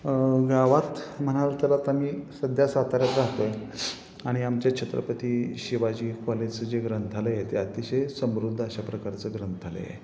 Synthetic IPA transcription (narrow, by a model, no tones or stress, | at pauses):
ɡaʋat̪m̤əɽ̃aʋt̪əlat̪am̤iːsəd̪ʱjasat̪aɾjat̪ɾaɦt̪oje | aɽ̃iamt͡ɕjat͡ɕʰet̪ɾə̰pət̪iːɕiʋad͡ʑiːkɔlet͡səd͡ʑeɡɾənt̪ʰaləjet̪eat̪iɕesəmɾud̪ʱːəɕapɾəkaɾt͡səɡɾənt̪ʰalə̰jḛ